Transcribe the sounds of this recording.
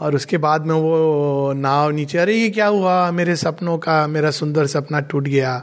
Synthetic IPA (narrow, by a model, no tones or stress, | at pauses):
ɔːɾʊskebaːd̪mẽʋonãːwniːt͡ʃeɐɾejek̬jaːɦuameːɾesɐpnõkameːɾasʊ̃nd̪əɾsɐpnaʈuːʈɡɐjaː